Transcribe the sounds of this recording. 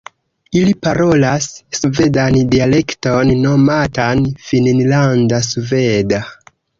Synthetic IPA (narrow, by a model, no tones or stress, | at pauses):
ilipaɾo̞lassve̞dandiale̞kto̞nːo̞matanfinnlandasve̞da